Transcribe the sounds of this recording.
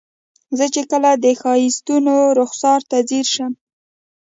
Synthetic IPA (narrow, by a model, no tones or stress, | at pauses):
zət͡ʃekəlad̪əxɑjist̪unoɾʊxsɑɾt̪aziɾʃəm